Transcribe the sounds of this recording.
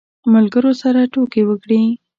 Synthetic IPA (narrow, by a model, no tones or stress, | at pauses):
malɡəɾosaɾaʈokewəkɽi